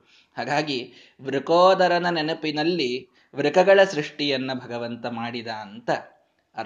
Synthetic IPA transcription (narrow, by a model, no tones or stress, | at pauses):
haːɡaːɡi | ʋɾukoːd̪ɐɾɐnɐnenɐpinɐlːi | ʋɾukɐɡɐɭɐsɾiʂʈijɐnːɐbʱɐɡɐʋɐnt̪ɐmaːɽid̪ɐːnt̪ɐ